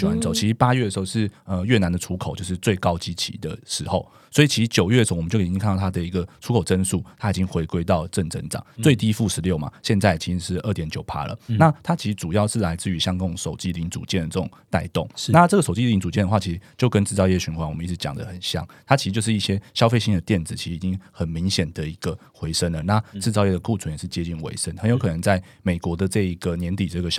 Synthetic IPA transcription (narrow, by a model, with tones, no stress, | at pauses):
wa˨˦nt͡so˨˩ʊt͡ɕʰi˧˥ʂ̩˧˥pa˥ɥɛ˥˩d̪ə˩ʂ̩˧xo˥˧ʂɻ̩˥˩ə˧ɥɛ˥˩na˨˧nd̪ə˨ʈ͡ʂʰu˥kʰo˨ʊt͡ɕjo˥˧ʊʂɻ̩˥˧t͡swe˥˩ɪkɑ˥ʊt͡ɕi˦˥t͡ɕʰḭ˧˥d̪ə̰˧˩ʂɻ̩˧˥xo˥˩ʊ | swɔ˧˥i˨˩t͡ɕʰi˧˥ʂ̩˧˥t͡ɕjo˨˩ʊɥɛ˥˩də˩˧o˥ʊwm˨˦jo˥˩˥ŋʰk̪ʰt̪ʰa˥d̪ə˨i˧˥ɡə˨ʈ͡ʂʰu˧˥kʰo˨˩ʊʈ͡ʂə˥nsu˥˩t̪ʰa˥i˨˩t͡ɕi˦ŋxwe˧˥ɪkwe˥ɪt̪ɑ˥˧ʊʈ͡ʂə˥˩nʈ͡ʂə˧˥nʈ͡ʂɑ̰˨˩ŋt͡swe˥˧ɪt̪i˥˧˥fu˥˩ʂɻ̩˧˦ljo˥˨ʊma̰˩ɕjɛ˥˧nt͡sa˥ɪ˨˩t͡ɕʰi˧˥ʂ̩˧˥ʂɻ̩˥˧ʔə˥˩t̪jɛ˨˥nt͡ɕjo˨˩ʊpʰa̰˥lə̰˨na˥˨t̪ʰa˥t͡ɕʰi˧˥ʂ̩˧˦t͡su˨˩jɑ˥˧ʊʂɻ̩˥˩la˧˥ɪt͡sɹ̩˥˩y˧˥ɕjɑ˥ŋkʊ˥˧ŋʂo˨˩ʊt͡ɕi˥˧li˧˥ŋt͡sṵ˨˩t͡ɕjɛ˥˩nd̪ə˨˩t͡sə˥˩ʈ͡ʂʊ˨˩ŋŋt̪a̰˥˧ɪt̪o˥˩ŋna˥˨ʈ͡ʂɤ˥˩ɡə˩ʂo˨˩t͡ɕi˥˩li˧ŋt͡su˨˩t͡ɕɛ˥˨nd̪əxwa˥˩t͡ɕʰi˧˥ʂ̩˧˦˧t͡ɕjo˥˧ʊkə˦nt͡sɻ̩˥˧t͡sɑ˥˧ʊjɛ˥˩ɕy˧˥nxwa˧˥nwmə˦i˥˩t͡s̩ʰ˧˦t͡ɕjɑ̰˨˩ŋd̪ə̰˦xə˨˩nɕjɑ̰˥˩˦ŋt̪ʰa˥t͡ɕʰi˧t͡ɕo˥˧ʊʂ̬ɻi˥˩ɕjɛ˥ɕjɑ˥ʊfe˥˧ɪɕi˥ŋd̪ə˨˩t̪jɛ˥˩nd͡zɹ̩˨˩t͡ɕʰi˧˥ʂɻ̩˧˨i˨t͡ɕi˦ŋxə˨˩nmi˧˥ŋɕjɛ˨˩nd̪ə˩i˧˥ɡ̥ə˨xwe˧˥ɪʂə˥nlə˨na˥˨t͡sɹ̩˥˩t͡s̬ɑ˥˧ʊjɛ˥˩d̪ə˨ku˥˧˩t͡sʰə˦njɛ˨˩ʂɻ̩˥˩t͡ɕjɛ˥˦t͡ɕi˥˩nwḛ˧˥ɪʂə˦˥nxə˧njo˧˥ʊkʰɤ˨˩nə˧˦ŋt͡sa˥˩ɪ | me˨˩ɪkwɔ˧˥d̪ə˨˧ʈ͡ʂɤ˥˩i˧˥ɡə˨njɛ˧˥nt̪i˨˩ʈ͡ʂə˥˩ɡə˩